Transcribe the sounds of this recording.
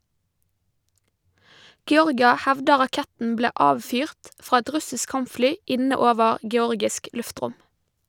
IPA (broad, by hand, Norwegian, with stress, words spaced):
ɡɛˈɔʁɡɪɑ ˈhɛʋdə ʁɑˈkɛtn̩ ˈbleː ˈʔɑːʋfyːʁt ˈfɾɑː ˈɛt ˈɾʉsɪsk ˈkɑmpˌflyː ˈɪnə ˈoːʋəɾ ɡɛˈɔɾɡɪsk ˈlʉfˌtɾʊm